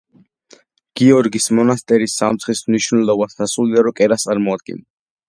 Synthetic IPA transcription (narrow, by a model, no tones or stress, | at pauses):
ɡ̥iɔɾɡismɔnast̪ʼɛɾisːamt̪sχismniʃnɛlɔbasasulid̪aɾɔkʼɛɾast̪sʼaɾmɔad̪̚ɡɛ̰n